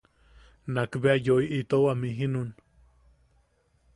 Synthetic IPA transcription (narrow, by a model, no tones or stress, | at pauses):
nakbeajoiʔit̪owamiɦinun